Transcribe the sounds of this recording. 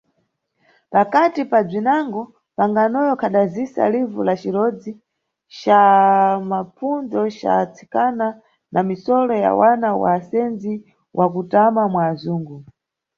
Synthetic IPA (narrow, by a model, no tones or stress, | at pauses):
pakatipad͡zinaŋɡɔ | paŋɡanɔjɔkʰaɗazisa̰livulat͡ʃiɾɔd͡zi | t͡ʃamapʰund͡zɔʃa̰t͡sʰi̥kana | nʔamisɔlɔja̰wanawa̰ːsɛnd͡zi | wʔakutamamwaːzuːŋɡu